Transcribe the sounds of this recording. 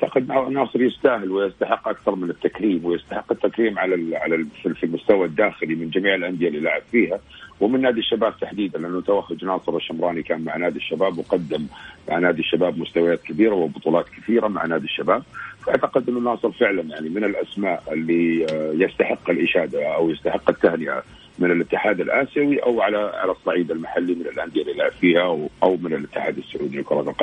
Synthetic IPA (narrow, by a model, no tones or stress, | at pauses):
t̪aqɪd̪nɑːsˤɨɾjɪst̪aːhɪlwɪjɪst̪aħɪqːʔakθɑɾˤmɪnɪt̪ːakɾiːmwɪjɪst̪aħɪqːɪt̪ːakɾiːmʕalaʕalaffilmʊst̪awad̪ːaːxɪlimɪnd͡ʒamiːʕɪlʔand̪ɪjalːilaːʕɪbfiːɦawɪmɪnːaːd̪iʃːabaːb̚t̪aħd̪iːd̪anlɪʔanːʊt̪awaxːʊd͡ʒnɑːsˤɨɾɪʃːɪmɾˤɑːnikaːnmaʕnaːd̪iʃːabaːbwqɑd̪ːɪmːa̰ʕnaːd̪iʃːabaːbmʊst̪awajaːt̪kabiːɾawɪbʊt̪ˤuːlɑːt̪kɪθiːɾama̰ʕnaːd̪iʃːabaːb̚faʔaʕt̪aqɪd̪ʔɪnːʊnɑːsˤɨɾfɪʕlanjaʕnimɪnɪlʔasmaːʔɪlːijɪst̪aħɪqːalʔɪʃaːd̪aʔawjɪst̪aħɪqːat̪ːahnɪʔa̰ | mɪnɪlʔɪt̪ːɪħaːd̪alʔaːsjawiʔawʕalaʕa̰lasˤːɑʕiːd̪almaħalːimɪnɪlʔand̪ɪjalilaʕɪffiːhaʔawmɪnɪlʔɪt̪ːɪħa̰ːd̪asːʊʕuːd̪ikʊɾˤɑːt̪lqɑ